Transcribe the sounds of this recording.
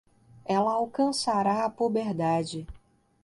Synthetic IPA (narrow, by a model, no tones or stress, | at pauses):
ɛlɐawkɐ̃saɾaɐpobeɾd̪ad͡ʒɪ